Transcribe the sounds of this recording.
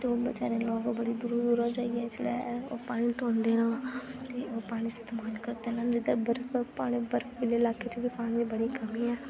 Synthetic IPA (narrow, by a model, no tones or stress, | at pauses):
t̪eoːbət͡ʃa̰ːɾẽːlɔːkobəɽiːd̪ʊɾod̪uːɾaːd͡ʒaːiɛːd͡ʒḛːɽɛ̰ːo̰ːpaːɽ̃ĩːʈõːnd̪eːnãːt̪eːoːpaːɽ̃iːst̪eːmaːlkəɾd̪eːnãːnd͡ʒɪd̪əɾbəɾfpaːɽ̃iːbəɾfʋɪleːlaːkeːt͡ʃebiːpaːɽ̃ĩːd̪iːbəɽiːkəmiːɛː